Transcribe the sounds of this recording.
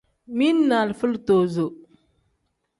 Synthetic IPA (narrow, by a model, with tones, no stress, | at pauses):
mi˦nːa˨lfə˦lto˨zo˨